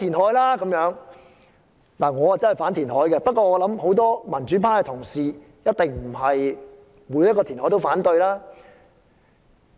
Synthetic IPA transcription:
t̪ʰiː˨˩nhɔː˨˥jlaː˥kɐ˨˥mjœː˨˥ŋ | laː˨˩ŋɔː˨˧hɐ˨jt͡sɐ˥nhɐ˨˩jfaː˨˥nt̪ʰiː˨˩nɦɔː˨˥jkɛ˧pɐ˥t̚kːɔː˧ŋɔː˨˧lɐ˨˥mho˨˥wt̪ɔː˥mɐ˨˩nt͡ʃyː˨˥pʰaː˥kɛ˧t̪ʰʊ˨˩ŋsiː˨ | jɐ˥t̚t̪ɪ˨ŋm̩˨˩ɦɐ˨j | muː˨˥jɐ˥t̚kɔː˧t̪ʰi˨˩nɔ˨˥jt̪o˥wfaː˨˥nt̪ɵ˧ɥlaː˥

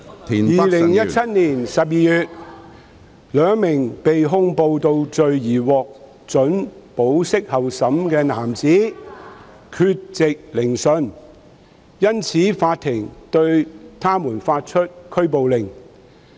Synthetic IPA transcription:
jiː˨lɪ˨˩ŋjɐ˥t͡sʰɐ˥t̚niː˨˩nsɐ˨p̚jiː˨˧jyː˨t̚ | lœː˨˧˥ŋmɪ˨˩ŋpe˨jɦʊ˥ŋpo˧wt̪o˧wt͡sɵ˨ɥjiː˨˩wɔː˨k̚ | t͡sɵ˨˥npo˨˥wsɪ˥k̚hɐ˨wsɐ˨˥mkɛː˧naː˨˩mt͡siː˨˥ | kʰyː˧t̚t͡sɪ˨k̚lɪ˨˩ŋsɵ˨n | jɐ˥nt͡sʰiː˨˥faː˧t̪ʰɪ˨˩ŋt̪ɵ˧ɥt̪ʰaː˥muː˨˩nfaː˧t̚t͡ʃʰɵ˥t̚kʰɵ˥ɥpo˨wlɪ˨˩ŋ

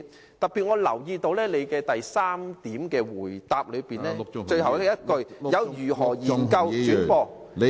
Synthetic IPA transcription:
t̪ɐ˨k̚pːiː˨t̚ŋɔː˨˧lɐ̰˨˩wjiː˧t̪o˧wlɛː˥le˨˧jkɛː˧t̪ɐ˨jsaː˥mt̪iː˨˥mkɛː˧wuː˨˩jt̪aː˨p̚lɵ˨˧ɥpiː˨nlɛː˥t͡ʃɵ˧ɥhɐ˨˩wjɐ˥t̚kɵ˧ɥjɐ˨˧wjyː˨˩ɦɔː˨˩jiː˨˩nkɐ˧wt͡ʃyː˨˥npɔː˧

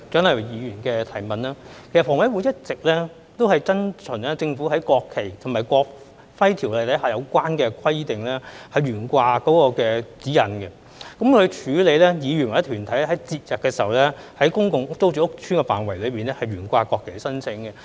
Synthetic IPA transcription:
t͡sœ˨˥nhɐ˨jjiː˨˧jyː˨˩nkɛː˧t̪ʰɐ˨˩jmɐ˨naː˥kʰe˨˩sɐ˨tfɔː˨˩ŋwɐ˨˥jwuː˨˧jɐ˥t̚t͡sɪ˨k̚lɛː˥ | t̪o˥whɐ˨jt͡sɐ˥nt͡ʃʰɵ˨˩nlɛː˥t͡sɪ˧ŋfuː˨˥hɐ˨˥jkɔː˧kʰːe˨˩jt̪ʰʊ˨˩ŋmaː˨˩jkʷɔː˧k̚ | fɐ˥jt̪ʰiː˨˩wlɛ˨˧˩t̪ʰɐ˨˥ɦaː˨˩jɐ˨˧wkʷaː˥nkɛː˧kʰɐ˥jt̪ɪ˨ŋlɛː˥hɐ˨jɥyː˨˩nkʷaː˧kɔː˨˥kɔː˧kɛː˧t͡siː˨˥jɐ˨˩nkɛ˧ | kɐ˨˥mkʰɵ˧t͡ʃʰyː˨˧˥le˨˧jlɛː˥jiː˨˧ɥy˨˩nwjt̪ʰyː˨˩nt̪ʰɐ˨˥jlɛ˥hɐ˨˥jt͡siː˧t̚jɐ˨p̚kːɛː˧siː˨ɐ˨wlɛ˥hɐ˨˥jkʊ˥ŋkʊ˨ŋ̚˥t͡so˥wt͡ʃyː˨ʊ˥k̚t͡ʃʰyː˥ŋkɛ˧fa̰ː˨nwɐ˨˩jlɵ˨˧piː˨nlɛ˥hɐ˨jɥyː˨˩nkʷaː˧kɔː˧kʰːe˨˩sɐ˥nt͡sʰɪ˨˥ŋkɛ˧

